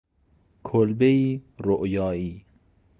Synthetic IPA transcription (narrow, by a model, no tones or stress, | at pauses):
kʰolbeiːɾoʔjɒːiː